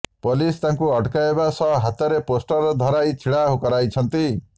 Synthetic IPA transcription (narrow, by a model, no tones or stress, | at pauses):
polist̪ãŋkuɔʈkaebasɔɦat̪ɔɾeposʈɔɾd̪ʱɔɾajt͡ʃʰiɭaɦkɔɾajt͡ʃʰɔnt̪i